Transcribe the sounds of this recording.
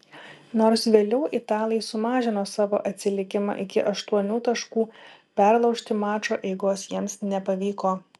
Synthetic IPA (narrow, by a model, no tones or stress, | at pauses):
noːɾsʋʲeːlʲɛʊʔɪt̪ɑːlʲˠɪɪsʊmɑːʒʲɪnoːsɑːʋo̰ːʔɐt̪ʲsʲɪlʲɪkʲɪmɑ̰ːʔɪkʲɪʔɐʃt̪uɔnʲuːt̪ɐʃkuːpʲæɾlˠɒʊʃʲt̪ʲɪmɑːt͡ʃoːʔɛɪɡoːsjiɛmsnʲɛpɐʋʲiːkoː